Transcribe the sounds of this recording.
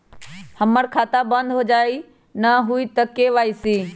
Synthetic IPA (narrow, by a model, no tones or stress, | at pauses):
hɐməɽkʰaːt̪abɐ̃nd̪ɦod͡ʒaːi | nɐɦuit̪ɐkeʋaːisiː